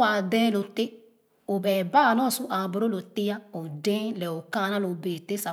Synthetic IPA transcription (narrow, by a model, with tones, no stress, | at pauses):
a˨dɛ̃˦lo˨te˦ | o˨bɛ˨ba˦˨nɔ̃˦˨sũ˦ʔa˨bo˨ɾo˦lo˨te˦ja˦o˨dɛ̃˦lɛ˨o˨kã˦˨nã˦lo˨be˨te˦sa˨